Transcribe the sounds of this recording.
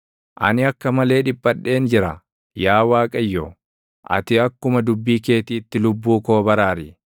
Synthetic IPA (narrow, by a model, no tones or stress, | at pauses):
ʔɐ̰nɪɐkːɐmɐle̞ːᶑɪbʼːɐᶑːe̞ːnd͡ʒɪɾɐ | jaːwaːkʼɐjːo | ʔɐ̰t̪ɪɐkːʊmɐd̪ʊbːiːke̞ːt̪iːt̪ːɪlʊbːuːko̞ːbɐɾaːɾɪ